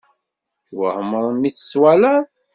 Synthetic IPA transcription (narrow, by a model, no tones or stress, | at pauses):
θwə̰həmːəɾˤəmːiθə̥swælæ